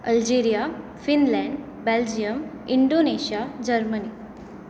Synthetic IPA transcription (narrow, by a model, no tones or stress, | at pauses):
ə̰ld͡ʑeɾija | finlɛ̃ɳɖ | beld͡ʑijəm | iɳɖoneɕjad͡ʑəɾməni